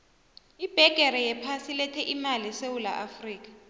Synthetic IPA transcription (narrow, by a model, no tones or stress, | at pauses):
ib̥ʱɛɡ̥ʱɛɾɛjɛpʰasilɛtʰɛʔimalisewula̰ʔafriːk̬ḁ